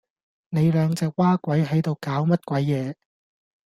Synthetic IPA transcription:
ne˨˧jlœː˨˧ŋt͡sɛː˨˧k̚waː˥kʷwɐ˨˥jɦɐ˨˥jt̪o˨wkaː˨˥wmɐ˥t̚kʷɐ˨˥jːɛː˨˧

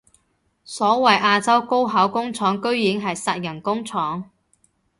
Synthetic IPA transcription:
sɔː˨˥wɐ˨jʔaː˧t͡sɐ˥wko˥wɦɐ˨˥wkʊ˥ŋt͡sʰɔː˨˥ŋkɵ˥ɥji˨˥ŋɦɐ˨jsɐ˨t̚jɐ˨˩nkʊ˥ŋt͡sʰɔː˨˥ŋ

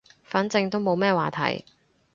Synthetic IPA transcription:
faː˨˥nt͡sɪ˧ŋt̪o˥wmo˨˧wmɛː˥waː˨˩t̪ʰɐ̰˨˩j

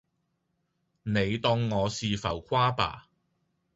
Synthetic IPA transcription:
ne˨˧jt̪ɔː˧ŋːɔː˨˧siː˨˧fɐ̰˨˩wkʷʰwaː˥pa̰ː˨˩

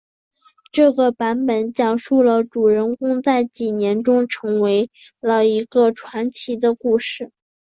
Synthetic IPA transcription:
ʈ͡ʂɤ˥˩ɡə˩pa˧˥npə˨˩nt͡ɕjɑ˨˩ŋʂu˥˩lə˩ʈ͡ʂu˨˩ɻə˧˥nkʊ˥ŋt͡sa˥˩ɪt͡ɕi˨˩njɛ˧˥nʈ͡ʂʊ˥ŋʈ͡ʂʰɤ˧˥ŋwe˧˥ɪlə˨i˧˥ɡə˧ʈ͡ʂʰwa˧˥nt͡ɕʰi˧˥d̪ə˧ku˥˧ʂɻ̩˥˩

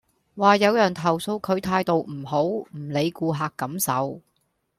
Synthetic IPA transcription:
waː˨jɐ˨˧wjœː˨˩ŋt̪ʰɐ˨˩wso˧wkʰɵ˨˧˥ɥt̪ʰaː˧jt̪o˨wm̩˨˩ɦo˨˥wm̩˨˩le˨˧jkuː˧ɦaː˨kːɐ˨˥msɐ̰˨˥w

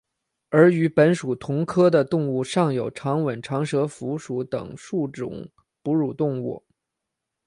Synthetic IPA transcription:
ə˞˧˥y˧˥pə˧˥nʂu˨˩t̪ʰʊ˧˥ŋkʰɤ˥d̪ə˨t̪ʊ˥˧ŋu˥˩ʂɑ˥˩ŋjo˨˩ʊʈ͡ʂʰɑ˧˥ŋwə˨˩nʈ͡ʂʰɑ˧˥ŋʂɤ˧˥fu˧˥ʂu˧˥t̪ɤ̰˨˩ŋʂu˥˩ʈ͡ʂʊ̰˨˩˦ŋ | pu˧˥ɻu˨˩t̪ʊ˥˧ŋṵ˥˩

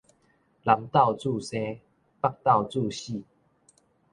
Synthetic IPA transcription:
la˨˦mt̪a˥˧wt͡su˥˨se˦ | pa˥˦˧k̚t̪a˥˨ʊwt͡su˥˧˨ɕi˥˨

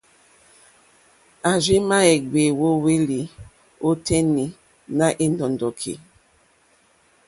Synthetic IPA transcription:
a˨zi˦ma˦ɛ˨ɡe˨wo˦we˦li˨ | o˦tɛ˦ni˨ | na˦ʔe˦ndɔ˨ndɔ˨kʰḛ˨

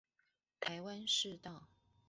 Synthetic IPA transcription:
t̪ʰa˨˥ɪwa˦˥nʂɻ̩˥˧t̪ɑ˥˨ʊ

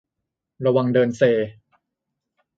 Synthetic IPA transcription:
ɾa˧wa˧ŋdɤː˧nseː˧

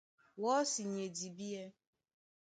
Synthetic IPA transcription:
wɔ˦si˨ɲe˨di˨bi˦e˦

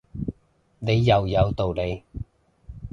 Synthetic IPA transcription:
ne˨˧jːɐ˨˩wjɐ˨˧wt̪o˨wle˨˧j

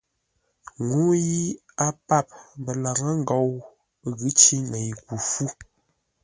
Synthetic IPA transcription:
ŋu˦ji˦ | a˦pa˦˨p̚bə˨la˨ɣə˦ŋ̩˦ɡɔ˨w | ɣɨ˦t͡ʃi˦nə˨jku˨fu˦

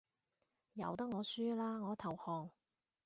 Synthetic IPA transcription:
jɐ̰˨˧wt̪ɐ˥k̚ŋɔː˨˧syː˥laː˥ŋɔː˨˧t̪ʰɐ˨˩whɔː˨˩ŋ

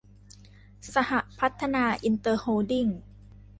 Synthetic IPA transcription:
sa˧ha˨˩ʔpʰa˦˥t̪ʰːa˧naː˧ʔi˧nt̪ɤː˧hoː˧di˥˩ŋ

